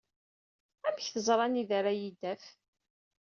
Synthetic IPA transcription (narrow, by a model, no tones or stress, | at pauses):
æməçθəzˤɾˤɑniðaɾæjid̪æf